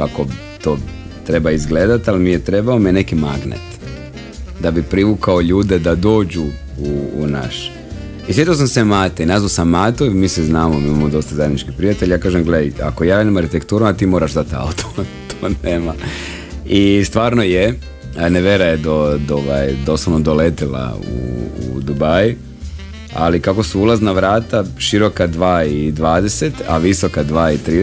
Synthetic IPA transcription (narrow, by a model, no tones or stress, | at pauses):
kako̞ | t̪oː | t̪ɾe̞baizɡleːd̪at̪alimijet̪ɾe̞baomienekimaɡnḛt̪ | d̪abipɾiʋukaoʎuːd̪ed̪ad̪o̞ːd͡ʑu | ṵːna̰ʃ | isʋet̪ios̬amsemaːt̪einazʋaosamːaːt̪oimiːseznaːmomiːmamod̪o̞st̪azajed̪nit͡ʃkipɾijat̪eʎjaːkaːʒemɡleja̰kojaːnemaɾhit̪ekt̪uːɾumat̪iːmo̞ːɾaʒzat̪a̰ut̪ʰo̥ | t̪ʰoːneːma | ist̪ʋaːɾnoje | neʋjeɾajed̪od̪oʋajd̪oslˠoʋnod̪olet̪ela̰ṵṵd̪ubaj | a̰likako̞suulˠaznaʋɾaːt̪aʃiɾo̞kad̪ʋaːid̪ʋaːd̪eset̪a̰ʋisokad̪ʋaːit̪ɾiː